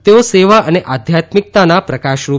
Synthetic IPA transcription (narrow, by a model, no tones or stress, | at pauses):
t̪eoseʋaʔəneʔad̪ʱjat̪mik̚t̪anapɾəkaʃɾu